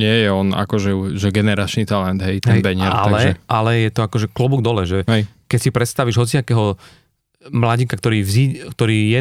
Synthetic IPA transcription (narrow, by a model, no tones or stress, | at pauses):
ɲɪɛjɛɔna̰kɔʒɛuʒɛɡɛnɛɾat͡ʃnit̪alɛnd̪ɦɛjt̪ɛɛjnbɛɲɪɛɾa̰alɛʒɛʔalɛjɛt̪ɔakɔʒɛklubuɡd̪ɔlɛʒɛɦɛjkɛcsipɾɛt̪st̪aʋiʒɦɔt͡siakɛːɦɔ | mlaɟikakt̪ɔɾiːvziːkt̪ɔɾiːjɛ